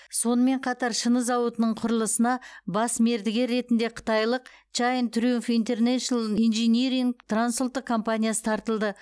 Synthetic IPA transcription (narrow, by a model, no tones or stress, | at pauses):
so̞nəme̞ɴqʰɑt̪ɑɾʃənəzɑwət̪ənəɴqʰʊɾəlˠəsənɑbɑsme̞ɾd̪ɪɡʲe̞ɾːe̞t̪ɪnd̪e̞qʰə̥t̪ɑjlˠəq̚ | t͡ʃajnt̪ʰɾufint̪e̞rneʃonainʒeniɾiŋɡt̪ransult̪ːəkʰompanʲijasə̥t̪ʰɑɾt̪əlˠd̪ə